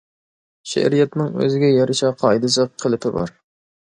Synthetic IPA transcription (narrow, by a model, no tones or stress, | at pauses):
ʃæ̰ɾijɛt̪nɪŋø̰zɪɡʲɛjɑɾɨʃɑqʰɑjd̪ɨs̬əqqʰːəlˠɪpʰɪbɑ̰ɾ